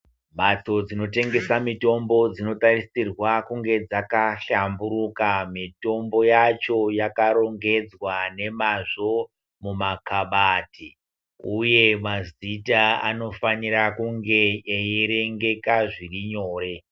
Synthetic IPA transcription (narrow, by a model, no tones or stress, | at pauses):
mat͡so̞d͡zino̞te̞ŋɡe̞samito̞mbo̞d͡zino̞tarisirwakuŋɡe̞d͡zakaɬambuɾukamito̞mbo̞jat͡ʃo̞jakaɾo̞ŋɡe̞d͡zwane̞maʐo̞ | mumakaɓaːti | uje̞mazitaa̰no̞faniɾakuŋɡe̞ːjeɾe̞ŋɡe̞kaʐiriɲo̞ːɾe̞